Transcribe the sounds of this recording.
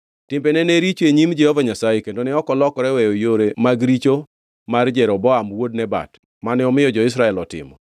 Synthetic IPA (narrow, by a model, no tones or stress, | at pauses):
tɪmbenɛneɾit͡ʃeɲimd͡ʒɛhovaɲasajekendonɪɔkɔlɔkɔɾɛwɛjojoɾemaɡɾit͡ʃo | mard͡ʒɛɾɔbɔamwod̚nɛba̰t | manɛɔmɪjɔd͡ʒɔɪs̬ɾaɛlɔtɪ̰mɔ